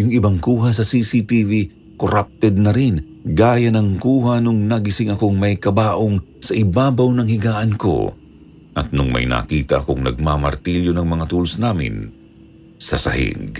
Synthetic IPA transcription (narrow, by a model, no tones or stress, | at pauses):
jʊŋɪbaŋkuːɦɐs̬ɐsisit̪ivi | koɾap̚t̪ɛd̪̚nɐɾɪn | ɡaːjɐnɐŋkuːɦanʊŋnɐɡɪsɪŋɐkoŋmɐjkɐbaːʔoŋsɐʔɪbaːbɐwnɐŋhɪɡaːʔɐnko̞̰ | ʔɐt̪̚nʊŋmɐ̰jnɐ̰kiːt̪ɐʔɐkoŋnɐ̰ɡ̚mamɐ̰ɾt̪iljonɐŋmɐŋat̪uːlosnaːmɪ̰n | sɐ̰sɐ̰hɪ̰ɡ